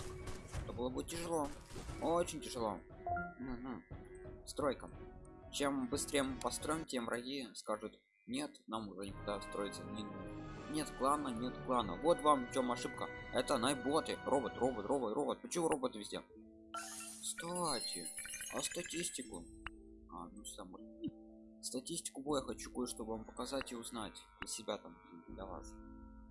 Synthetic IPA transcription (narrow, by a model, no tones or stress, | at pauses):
ɛt̪əbɨlˠəbɨtʲɪʐɨlˠoot͡ɕɪnʲtʲɪʐɨlˠo | m̩ɦ̩ | st̪ɾojkət͡ɕembɨst̪ɾʲejəmɨpɐst̪ɾo̞jɪntʲemvɾʔɐɡʲiskaʐʊt̪ | nʲe̞t̪namʊʐɛnʲɪkʊɡd̪ast̪ɾo̞jɪt̪sənʲɪnʲe̞t̪klˠanːənʲe̞t̪klˠanːə̰vo̞t̪vamft͡ɕo̞mɐʂɨp̚kəɛt̪əɐnabot̪ərʔo̞bət̪ro̞bət̪rʔo̞bət̪ɾo̞bət̪̚pət͡ɕɪmuɾo̞bət̪vʲɪzʲdʲe | st̪atʲɪ̰ɐ̰st̪ɐtʲisʲtʲɪkʊ | a̰nuʂt̪amo | st̪ɐtʲisʲtʲɪ̥kʊbojəxɐt͡ɕu̥kujəʂt̪obəvampə̥kɐzatʲɪʊznatʲd̪ʲəsʲɪbʲat̪amd̪lʲɐva̰s